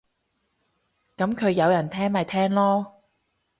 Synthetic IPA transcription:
kɐ˨˥mkʰɵ˨˧ɥjɐ˨˧wjɐ˨˩nt̪ʰɛː˥ŋmɐ˨˧jt̪ʰɛː˥ŋlɔː˥

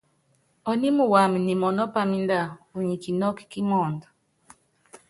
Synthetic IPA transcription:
ɔ˨ni˦mu˨wa˨mi˨ni˨mɔ˨nɔ˦pa˦mi˦nda˦˨u˨ɲi˨ki˨nɔ˦ki̥˦ki˦mɔ˦˨ndɔ˨

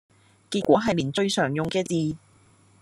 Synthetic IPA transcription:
kiː˧tk̚ʷɔː˨˥ɦɐ˨jliː˨˩nt͡ʃɵ˧ɥsœː˨˩ŋjʊ˨ŋkɛː˧t͡siː˨˧

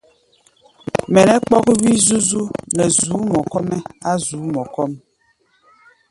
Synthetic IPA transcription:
mɛ˨nɛ˦k͡pɔ˦ki˦βi˦zu˦zu˦nɛ˨zuː˨˦mɔ˨kɔ˦mɛ˦a˦zuː˨˦mɔ˨kɔ˦m

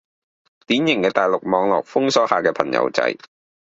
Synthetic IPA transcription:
t̪iː˨˥njɪ˨˩ŋkɛː˧t̪aː˨˩jlʊ˨k̚mɔː˨˧ŋlɔ̰ː˨k̚fʊ˥ŋsɔː˨˥haː˨kɛː˧pʰɐ˨˩ŋjɐ̰˨˧˥wt͡sɐ̰˧˥j

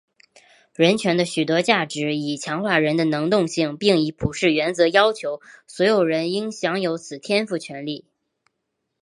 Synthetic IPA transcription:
ɻə˧˥nt͡ɕʰɥɛ˧˥nd̪ə˧ɕy˨˩t̪wɔ˥t͡ɕja˥˩ʈ͡ʂɻ̩˧˥i˨˩t͡ɕʰjɑ˧˥ŋxwa˥˩ɻə˧˥nd̪ə˧nɤ˧˥ŋt̪ʊ˥˧ŋɕi˥˩ŋpi˥˩ŋi˧˥pʰu˨˩ʂɻ̩˥˩ɥɛ˧˥nt͡sɤ˧˥jɑ˥ʊt͡ɕʰjo˧˥ʊswɔ˧˥ɪjo˨˩ʊɻə˧˥ni˥ŋɕjɑ˧˥ŋjo˧˥ʊt͡sʰɹ̩˨˩t̪ʰjɛ˥nfu˥˩t͡ɕʰɥɛ˧˥nli˥˩

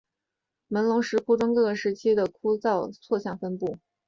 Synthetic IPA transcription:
mə˧˥nlʊ˧˥ŋʂɻ̩˧˥kʰu˥ʈ͡ʂʊ˥ŋkɤ˥˩ɡə˩ʂɻ̩˧˥t͡ɕʰi˥d̪ə˨kʰu˥t͡sɑ˥˧ʊt͡sʰwɔ˥˧ɕjɑ˥˩ŋfə˥npu˥˩

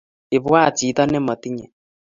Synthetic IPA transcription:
e˨βwa˦˨t͡si˨˦tɔ˦ne˦˨mo˨ti˦ɲɛ˨

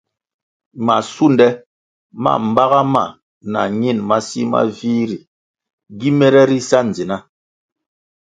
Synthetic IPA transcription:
ma˨su˦ndɛ˦ | ma̰˨m̩˨ba˦ɣa˦ma̰˨ | na̰˨ɲi˦˨nma˦sḭ˦ma̰˦viː˦ɾi˨ | ɡi˦mɛ˦ɾɛ˦ɾi˦sa˦n̩˨d͡zi˨na˦

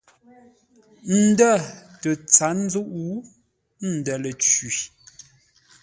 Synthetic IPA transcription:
n̩˨də˦˨tə˨t͡sa˨˦n̩˦zu˦ʔu˦ | n̩˨dɛ˨lə˨t͡ʃi˨

